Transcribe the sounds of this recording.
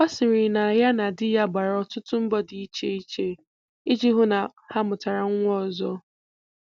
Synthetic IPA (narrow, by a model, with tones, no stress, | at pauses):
ɔ˦sɪ˨ɾɪ˨na˨ja˦na˨dɪ˦ja˦ɡ͡ba˨ɾɔ˦tʊ˦tʊ˦m̩˦bɔ˦dɪ˨i˦t͡ʃe˦i˦t͡ʃe˦ | i˦d͡ʒi˦ɦʊ˦na˨ha˦mʊ˨ta˨ɾa˨ŋ̩˦ŋʷ˦ɔ˦˨zɔ˦